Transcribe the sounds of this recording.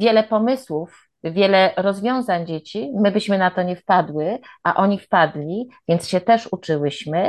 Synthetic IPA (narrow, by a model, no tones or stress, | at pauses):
vʲjɛlɛpɔmɘswuf | vʲjɛlɛɾɔzvʲjɔ̃w̃zaɲd͡ʑet͡ɕimɘbɘɕmɘnat̪ɔɲɛfpad̪wɘʔa̰ʔɔɲifpad̪lʲivʲjɛnt̪sɕɛt̪ɛʂut͡ʂɘwɘɕmɘ